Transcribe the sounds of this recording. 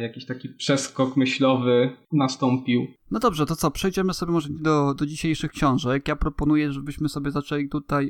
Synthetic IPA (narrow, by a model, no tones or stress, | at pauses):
jakʲiɕt̪akʲipʂɛskɔkmɘɕlɔvɘnast̪ɔmpʲiwnɔd̪ɔbʐɛt̪ɔt̪ɔpʂɛjd͡ʑɛmɘsɔbʲjɛmɔʐɛɲɛd̪ɔd̪ɔd͡ʑiɕejʂɘxkɕɔ̃w̃ʐɛkjapɾɔpɔnujɛʐɛbɘɕmɘsɔbʲjɛzat͡ʂɛlʲit̪ut̪aj